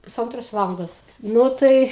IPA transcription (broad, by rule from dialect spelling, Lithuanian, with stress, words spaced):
pʊˈsɐntroːs ˈʋɑːlˠɐndoːs ˈnʊ tɐɪ